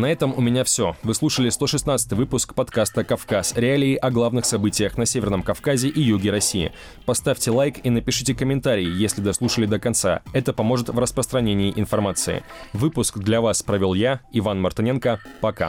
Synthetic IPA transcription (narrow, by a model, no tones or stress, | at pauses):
nɐɛt̪əmʊmʲɪnʲafsʲo̞vɨslˠuʂəlʲɪst̪o̞ʂɨsnat̪sɨ̥t̪ɨjvɨpʊskpɐt̪kast̪əkɐfkasɾʲɪalʲɪɪʔɐɡlˠavnɨxsɐbɨtʲɪjəxnɐsʲevʲɪrnəmkɐfkazʲɪʔijuɡʲɪɾɐsʲːiɪ̰ | pɐst̪afʲtʲɪlˠajkinəpʲɪʂɨtʲɪkəmʲɪnt̪aɾʲɪɪjesʲlʲɪd̪ɐslˠuʂəlʲɪd̪əkɐnt̪sa̰ɛt̪əpɐmo̞ʐɨt̪vrəspɾəst̪ɾɐnʲenʲɪːʔɪnfɐrmat̪sɨ̰ɪ̰vɨpʊskd̪lʲɐvaspɾəvʲolˠjaɪvanmɐrt̪ɨnʲenkəpɐka̰